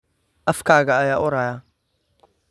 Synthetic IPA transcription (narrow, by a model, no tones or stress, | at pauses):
ʔɐfkʰaːɣɐːjaːʔʊɾaːjaː